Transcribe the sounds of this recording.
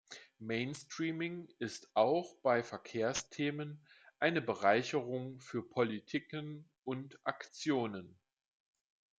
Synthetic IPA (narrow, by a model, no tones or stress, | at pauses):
meɪnstʁ̥iːmɪŋɪstʔaʊxb̥aɪfɛɐkʰeːɐstʰeːmənʔaɪnəbəʁ̞aɪçəʁʊŋfyːɐpʰɔlitʰikən | ʔʊntʔakt͡sjoːnən